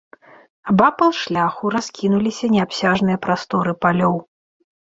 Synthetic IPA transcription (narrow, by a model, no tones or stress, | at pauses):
abapɐlˠʂlʲaxuɾaskʲinulʲisʲɐnʲɛapsʲaʐn̪ɨjɐpɾast̪ɔɾɨpalʲɔw